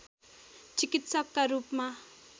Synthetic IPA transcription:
t͡sikit̪sʌkːaɾupma

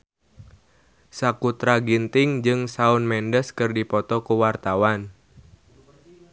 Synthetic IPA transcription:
sakut̪ɾaɡint̪ɪŋd͡ʒɨŋsaʊnmɛndəskɨrdipɔt̪ɔkuwart̪awan

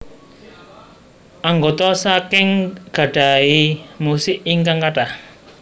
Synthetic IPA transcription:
ʔaŋɡot̪ɔsakɪŋɡ̥a̤ɖ̥a̤imusɪʔiŋkaŋkaʈah

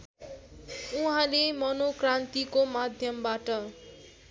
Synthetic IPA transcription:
uɦãlemʌnokrant̪ikomad̪ʱjʌmbaʈʌ

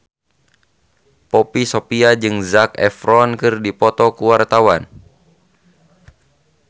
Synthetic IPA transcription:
pɔpisopiad͡ʒɨŋzakɛ̰fɾɔnkɨrdipɔt̪ɔkuwart̪awan

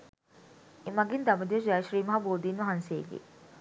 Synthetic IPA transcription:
emɐɡind̪ɐməd̪iʋəʃd͡ʒajʃɾiːmɐɦɐboːd̪inʋɐɦansejḛɡḛː

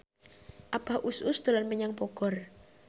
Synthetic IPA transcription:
ʔapa̤hʔususd̪̥o̤lanpəɲaŋpɔkɔr

